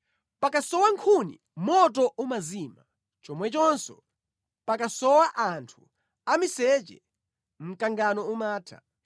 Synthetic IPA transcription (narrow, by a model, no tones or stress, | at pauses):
pakasɔwaŋkʰunḭ | mɔtɔʔumazima | t͡ʃɔmwɛt͡ʃɔnsɔ̰ | pakasɔwaʔantʰu | amisɛt͡ʃɛ̰ | m̩kaŋɡanɔumaːtʰa